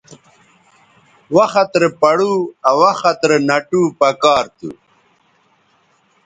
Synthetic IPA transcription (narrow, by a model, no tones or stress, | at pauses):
wɐxɐt̪ɾepɐɽuɐwɐxɐt̪ɾenɐʈuːpɐkaːɾt̪ṵ